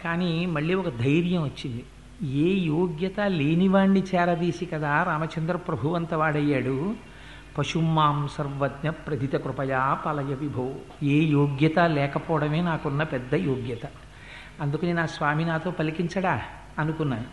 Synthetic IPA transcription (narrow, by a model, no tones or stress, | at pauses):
kaːnimɐɭːiːɔkɐd̪ʱɐjɾjɐmʋɐt͡ʃːind̪i | eːjoːɡjɐt̪aleːniʋaːɳɖit͡ʃɛːɾɐd̪iːsikɐd̪aːɾaːmɐt͡ʃɐnd̪ɾɐpɾɐbʱuʋɐnt̪ɐʋaːɽɐjːaːɽu | pɐʂumːaːmsɐɾʋɐd̪nɐpɾɐd̪ʱit̪ɐkɾupɐjaːpɐlɐjɐʋibʱɐw | eːjoːɡjɐt̪ɐlɛːkɐpɔːɽɐme̞ːnaːkunːɐpɛd̪ːɐjoːɡjɐt̪ɐ | ɐnd̪ukɐninaːsʋaːminaːt̪o̞ːpɐlikiɲt͡ʃɐɽaː | ɐnukunːaːɽu